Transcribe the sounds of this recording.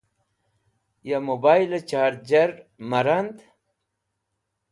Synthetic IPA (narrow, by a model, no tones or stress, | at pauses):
jamobajlet͡ɕaːɾt̪̚d͡ʑɐɾmɐɾand̪